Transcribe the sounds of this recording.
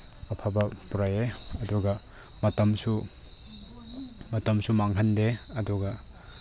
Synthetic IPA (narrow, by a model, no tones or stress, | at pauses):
ɐpʰabɐpuɾajeɐduɡɐ | mɐtɐmsu | mɐtɐmsumaŋɦʰɐndeɐduɡɐ